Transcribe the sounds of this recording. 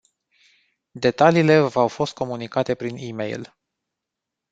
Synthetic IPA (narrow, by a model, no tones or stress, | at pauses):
d̪e̞t̪aliːle̞vawfo̞st̪̚ko̞munikat̪e̞pɾinimḛjl